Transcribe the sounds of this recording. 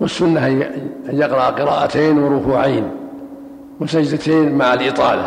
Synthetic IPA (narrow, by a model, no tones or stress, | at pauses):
wɪsːʊnːahjɪqɾɑʔqɪɾˤɑːʔat̪eːnwɪɾˤʊkuːʕaːn | wɪsad͡ʒd̪at̪eːnmaʕalʔɪt̪ˤɑːla̰